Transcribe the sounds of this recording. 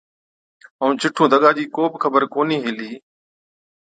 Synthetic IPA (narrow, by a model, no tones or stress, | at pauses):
əũːt͡ʃɪʈʰũːd̪ʱəɠaːd͡ʒiːkoːbkʰəbəɾkoːniːɦɪliː